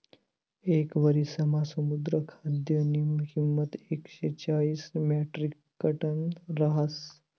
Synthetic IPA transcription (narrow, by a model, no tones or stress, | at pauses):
ekʋəɾisɐmasəmud̪ɾəkʰad̪jənimɦimːət̪ekɕet͡ɕaɭiːsmɛʈɾikːəʈənɾɐɦəs